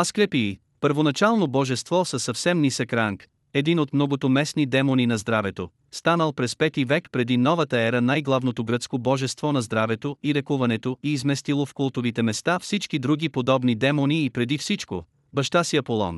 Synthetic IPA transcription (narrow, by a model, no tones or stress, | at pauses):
askɾɛpiː | pəɾvonɐt͡ʃalˠnobɔʒɛst̪vɔsɐsɐfsɛmnisɐkɾaŋk | ɛd̪inot̪mnɔɡot̪omɛsnid̪ɛmoninɐzd̪ɾavɛt̪o | st̪anəlˠpɾɛspɛt̪ivɛkpɾɛd̪inɔvət̪əɛɾənajɡlˠavnot̪oɡɾət̪skobɔʒɛst̪vɔnɐzd̪ɾavɛt̪oiɾɛkuvɐnɛt̪oiːzmɛst̪ilˠofkolˠt̪ovit̪ɛmɛst̪afsit͡ʃkid̪ɾuɡ̟ipod̪ɔbnid̪ɛmoniːpɾɛd̪ifsit͡ʃko̰ | bɐʃt̪asiɐpolˠɔ̰n